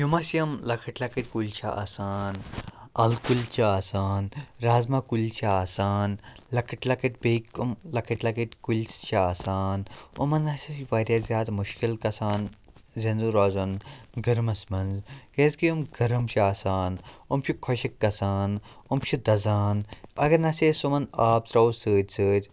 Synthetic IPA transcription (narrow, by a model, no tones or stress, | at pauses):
jumɐsiɐmlɐkʰɐʈlɐkɐʈʲkulʲt͡ʃʰaa̰ːsaːnɐlkulʲt͡ʃʰaaːsaːnɾaːzmakulʲt͡ʃʰaaːsaːn | lɐkʰɐʈʲlɐkɐʈ̚ʲbeikːumlɐkʰɐʈʲlɐkɐʈ̪ʲkulʲst͡ʃʰaaːsaːnṵmɐnɐsisʋaːɾʲjaːzʲjaːd̪muʃkilkɐsaːnzɐnzuɾaːzɐnɡɐɾmɐsmɐnzkeːzkiumɡɐɾɐmt͡ʃʰiaːsaːnumt͡ʃʰʲikʰɔʃɐkːɐsaːnumt͡ʃʰid̪ɐzaːnɐɡɐnɐsʲeːsumɐnaːb̚t̪ɾɐusəːd̪ʲsʰəːt̪ʲ